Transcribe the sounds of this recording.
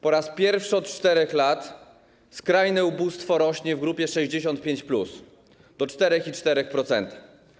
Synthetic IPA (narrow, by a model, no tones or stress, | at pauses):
pɔɾaspʲjɛɾfʂɘɔt̪̚t͡ʂt̪ɛɾɛxlat̪ | skɾajnɛubust̪fɔɾɔɕɲɛvɡɾupʲjɛʂɛʑd͡ʑeɕɔnt̪̚pʲjeɲt͡ɕplus | d̪̥ɔt͡ʂt̪ɛɾɛxit͡ʂt̪ɛɾɛxpɾɔt̪sɛ̰nt̪a